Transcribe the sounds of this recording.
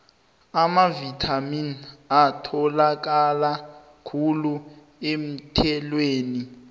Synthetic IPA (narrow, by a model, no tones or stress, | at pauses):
amavitʰaminatʰɔlak̬ala | kʰulu | em̩tʰɛlweːni